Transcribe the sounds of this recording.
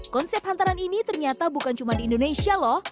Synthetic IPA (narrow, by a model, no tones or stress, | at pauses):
kɔnsɛp̚hant̪aɾaninit̪ərɲat̪abukant͡ʃumadiːndonesialɔh